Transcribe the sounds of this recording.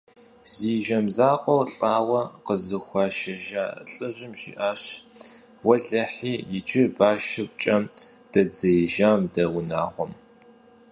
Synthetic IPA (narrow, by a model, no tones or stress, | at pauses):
ziːʒɐmzaːqʷʼɔwɬʼaːwɐqəzɨxʷɑːʃɐʒa̰ːɬʼɨʑɪmʒḭːʔaːɕ | wɐɮɐħiːjɪt͡ʃʰɪbaːʃɪpʷt͡ʃʼɐmd̥ɐd͡zɐjʒaːmdɐwʊnaːʁʷɔm